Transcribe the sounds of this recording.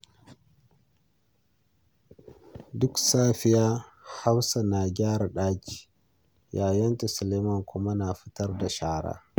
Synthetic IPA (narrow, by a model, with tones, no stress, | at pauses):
dʊ˦ksaː˦ɸi˦ja˦ | ha˦wsa˨naː˨ɡʲaː˦ɾa˨ɗaː˦d͡ʒi̥˨ | jaː˨jɐ˦nta˨sʊ˨le˦ma˦ŋkʷʰʊ˦ma˦na˨ɸi˦tɐ˦rda˨ʃaː˦ɽa̰ː˦